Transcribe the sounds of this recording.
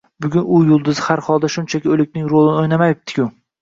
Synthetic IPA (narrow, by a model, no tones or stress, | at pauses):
bʊɡʲʊnʊjʊlˠd̪ɪzɪhaɾhɒlˠd̪aʃʊnt͡ʃʰakʲɪolɪkʲnɪŋɾolˠɪnɪojnamajɪp̚t̪ʰɪ̥kʲʰʊ